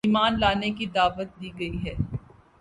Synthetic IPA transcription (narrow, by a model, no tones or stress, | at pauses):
iːmaːnlaːnekid̪aːʋət̪̚d̪iːɡɐiɦɛː